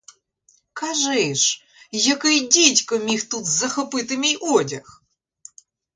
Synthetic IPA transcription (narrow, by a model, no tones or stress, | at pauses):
kaʐɨʂ | jakɨdʲetʲkɨmʲixt̪ut̪zɐxɨpɨt̪ɨmʲiʔodʲax